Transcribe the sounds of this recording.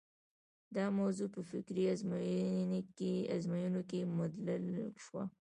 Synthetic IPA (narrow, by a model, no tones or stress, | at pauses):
d̪ɑmawzupəfɪkɾiaz | a̰zmajunokemʊd̪lɪlʃwa̰